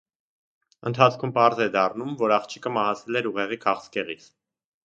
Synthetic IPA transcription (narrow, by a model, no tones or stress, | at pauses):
ənt̪ʰɑt͡sʰkʰumpɑɾzɛd̪ɑrnumvɔɾɑχt͡ʃʰi̥kəmɑhɑt͡sʰɛlɛɾuʁɛʁikʰɑχskɛʁḭt͡s